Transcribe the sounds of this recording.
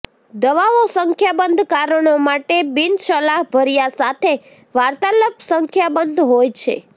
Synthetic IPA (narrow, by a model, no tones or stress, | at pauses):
d̪əʋaʋosəŋkʰjabənd̪ʱkaɾəɳomaʈebinʃəlaɦbʱəɾijasat̪ʰe | ʋaɾt̪aləpsəŋkʰjabənd̪ʱɦojt͡ʃʰḛ